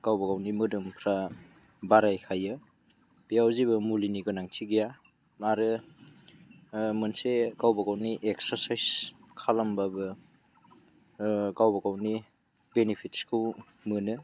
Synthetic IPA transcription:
kawbɐkawnimɯdɯmpʰɾa | baɾajkʰajɯ | b̥ijawziβɯmuliniɡɯnaŋtʰiɡija | maɾɯ | mɯnsekawbɐkawniʔeksɐɾsajskʰalambabɯ | kawbakawni | benipʰitskʰɯw | mɯnɯ

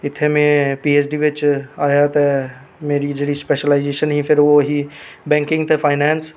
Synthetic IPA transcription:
ɪt̪ʰːemẽpiːeːt͡ʃɖiʋɪt͡ʃaːjat̪ɛ | meːɾid͡ʒeːɽispeːʃəlaːɪd͡ʒeːʃənɦĩfʰɪɾʋoɦibɛ̃ːŋkɪ̃ŋɡt̪ʰefʰaːɪnɛ̃ːns

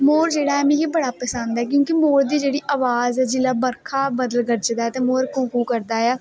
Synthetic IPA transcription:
moːɾd͡ʒeːɽaːɛmĩːɦiːbəɽaːpəsə̃nd̪ɛːk̬jõːkiemoːɾd̪iːd͡ʒeːɽiːʔaːʋaːzɛːd͡ʒɪlaːbəɾkʰaːbəd̪əlɡəɾt͡ʃd̪aːɛːt̪eːmoːɾkõːkuːkəɾd̪aːjaː

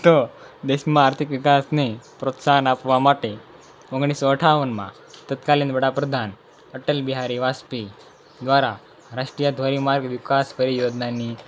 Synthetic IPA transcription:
t̪od̪eɕmaːɾt̪ʰikʋikasnepɾot̪sanapʋamaʈ̪e | oɡɳisəəʈʰaʋənma̰ | t̪ət̪kaliːnbəɽapɾəd̪ʱan | əʈəlbiɦaɾiʋaspi | d̪ʋaɾa | ɾaʂʈɾijad̪ʱʋəɾimaɾɡʋikaspəɾijod̪nani

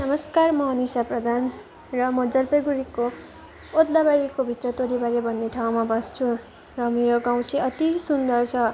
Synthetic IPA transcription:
nʌmʌskarmʌɦʌnisaprʌd̪ʱan | rʌmʌd͡zʌlpʌɡuɾiko | od̪labaɾikobʱit̪rʌt̪oɾibaɾebʱʌnːeʈʰaw̃mabʌst͡sʰu | rʌmeɾoɡaw̃t͡sʰiʌt̪isund̪ʌrt͡sʰʌ

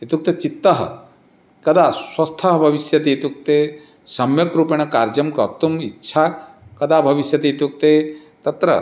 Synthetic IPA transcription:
it̪uk̚t̪et͡ʃit̪ːɐɦɐ̰ | kɐd̪aswɐst̪ʰɐɦɐbʱɐʋiʃjɐt̪et̪uk̚t̪e | sɐmjɐkɾupeɳ̃ɐkaːɾd͡ʒɐmkɐɾt̪umitːʃʰaː | kɐd̪abʱɐʋiʃjɐt̪et̪uk̚t̪e | t̪ɐt̪ɾɐ̰

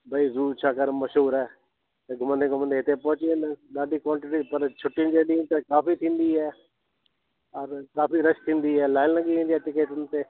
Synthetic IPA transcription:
bʱəizuːt͡ʃʰaːkəɾməʃɦuːɾɛː | t̪eɡʱʊməneːkʊmənd̪eːɪt̪epɔ̃ːt͡ʃenːɗaːɖiːkɔ̃ːɳʈʈiːpəɾt͡ʃʰʊʈːind͡ʒeːɗiːnt̪ekaːfiːt̪ʰĩːnd̪iːɦɛː | ɔɾkaːpiːɾəʃt̪ʰĩːnd̪iːɦɛːlaːɪlləɡiːʋẽːnd̪iɛːʈɪkeːʈ̪ʊnt̪eː

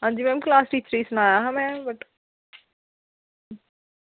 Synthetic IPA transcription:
ɦãːnd͡ʒiːmɛ̃mklaːsʈiːt͡ʃɾiːsnãːjaɦãmɛ̃bɐʈ

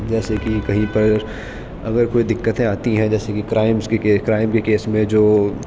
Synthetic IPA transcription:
d͡ʒɛːsekikɐɦĩpɐɾ | ɐɡəɾkoːid̪ɪkːət̪ẽaːt̪iɦɛ̃d͡ʒɛːsekikɾaːɪmskekeːkɾaːɪmkekeːsmẽd͡ʒoː

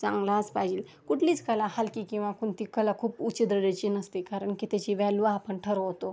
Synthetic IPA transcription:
t͡sã̰ŋɡlat͡spad͡ʑiːl | kuʈʰliːt͡skəlahalkiːkĩw̃ʋakuɳt̪ikəlakʰuːput͡ɕəd̪ɾəɽət͡ɕinəst̪ikaɾəɳkit̪ɛt͡ɕiʋɛlʋaːpəɳʈʰəɾoɦot̪o

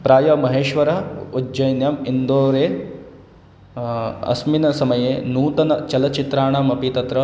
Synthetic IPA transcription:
pɾaːjɐmɐɦeːʃʋɐɾɐud͡ʒɐjnjɐmind̪oːɾeː | ɐ̰sminɐsɐmɐjeːnuːt̪ɐnɐt͡ʃɐlɐt͡ʃit̪ɾaːɳaːmɐpit̪ɐt̪ɾɐ

